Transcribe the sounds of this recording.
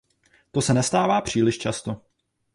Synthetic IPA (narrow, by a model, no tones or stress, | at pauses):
t̪o̞sɛnɛst̪aːvaːpr̝̥iːlɪʃt͡ʃast̪o